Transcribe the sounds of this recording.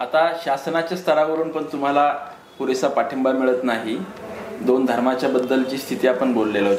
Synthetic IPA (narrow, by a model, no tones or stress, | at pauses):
at̪aɕasnat͡ɕjast̪ʰəɾaʋəɾuːnpəɳt̪um̤ala | puɾesapaʈʰəmbamiɭət̪naɦi | d̪ond̪ʱəɾmat͡ɕjabəd̪ːəlt͡ɕiːst̪ʰit̪iːapəɳbolːela